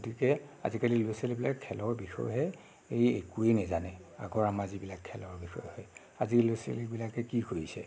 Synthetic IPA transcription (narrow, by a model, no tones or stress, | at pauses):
ɡotikɛa̰zikaliloselibilakʰːɛlɔɹbixɔ̰jɦɛ | ejḛkuenɛzanɛa̰ɡɔɹamazibilakʰːɛlɔɹbixɔ̰jhɔj | azilosḛlikbilakɛkikoɹisɛ̰